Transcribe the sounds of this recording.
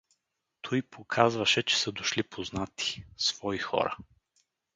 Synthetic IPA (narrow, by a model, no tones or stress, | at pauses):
t̪ʰɔjpʰokʰazvɐʃɛt͡ʃɛ̥səd̪oʃlipʰoznat̪i̥sv̥ɔixɔ̰ɾɐ̰